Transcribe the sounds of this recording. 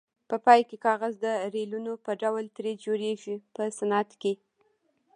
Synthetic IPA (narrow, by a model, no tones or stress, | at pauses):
pəpɑjkekɑɣazd̪əɾelunopəɖawlt̪ɾed͡ʒoɾeʒipəsanat̪ke